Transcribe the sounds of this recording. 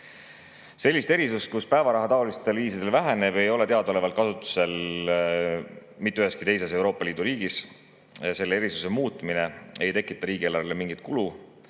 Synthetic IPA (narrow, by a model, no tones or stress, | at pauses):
se̞lʲːist̪e̞ɾisust̪̚kuspæevɑɾɑɦɑt̪ɑolist̪e̞lviːs̬id̪e̞lvæɦene̞b̥e̞jo̞le̞t̪e̞ɑd̪o̞levɑlt̪̚kɑsut̪ːˑu̥se̞l | mit̪ːeyɦe̞skit̪e̞js̬e̞s̬e̞wɾoːpːˑɑliːd̪̥uɾiːɡ̥is | se̞lːeeɾisuse̞muːt̪ˑmine̞e̞jt̪e̞kːˑit̪ːˑɑɾiːɡ̥ielɑrlemiŋɡ̥it̪̚ˑkulu